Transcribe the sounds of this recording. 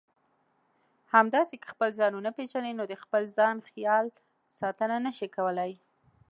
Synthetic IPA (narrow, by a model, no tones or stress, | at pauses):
hamd̪ɑsekə̥xpəlzɑnunaped͡ʒaninod̪əxpəlzɑnxjɑl | sɑt̪ənanəʃikawəlaj